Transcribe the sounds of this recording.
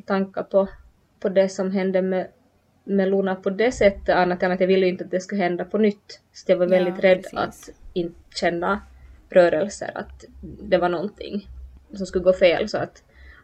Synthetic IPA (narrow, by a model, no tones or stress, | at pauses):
t̪ʰaŋkːapʰɔ | pʰɔd̪ɛsɔmɦɛnd̪əmɛ | mɛluːnapʰɔd̪ɛsɛt̪ːəanːat̪jɑnːat̪javɪlːəjʏɪnt̪əat̪̚d̪ɛskɵɦɛnd̪apʰɔnʏt̪ːsḁt̪javaɾvɛld̪ɪt̪ɾɛd̪ːa̰t̪ɪnt̪ | ɕɛnːa | ɾœːɾɛlsə̰ɾa̰t̪d̪ɛvaɳɔnt̪ʰɪ̰ŋːsɔmskɵlːəɡoːfeːlsɔat̪